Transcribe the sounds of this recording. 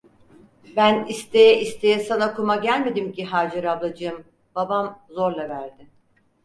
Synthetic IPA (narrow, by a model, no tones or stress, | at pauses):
bænist̪ʰe̞jɛʔist̪ʰe̞jɛsanakumaɟælʲme̞d̪imciɦaːd͡ʒaɾavlˠad͡ʒɯɯm | babamzoɾlˠavæɾd̪ɪ